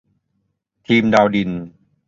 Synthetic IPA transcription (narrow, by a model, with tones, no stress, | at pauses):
t̪ʰiː˧mdaː˧wdi˨˩n